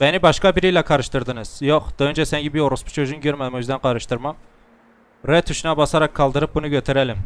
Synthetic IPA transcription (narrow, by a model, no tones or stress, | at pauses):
ɛnɪbɑʃqɑbiɾijlɑqʰɑɾɨʃt̪ɨɾd̪ɨnɨz̥joqd̪̥ojnt͡ʃʰɛsɛŋɡʲɛbijoɾʊspu̥t͡ʃʰøʒunɡʲøɾmɛd̪ɪmuzd̪ɛnqʰɑɾɨʃt̪ɨɾmɑm | ɾɛt̪ʰuʃnɑbɑsɑɾɑqʰːɑlˠd̪ɨɾɨp̚bunɨkʲʰøt̪ʰɪɾɛlɪm